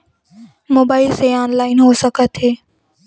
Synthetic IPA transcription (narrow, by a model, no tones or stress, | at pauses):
moːbaːɪlseaːnlaːɪnɦoːsəkət̪ɦeː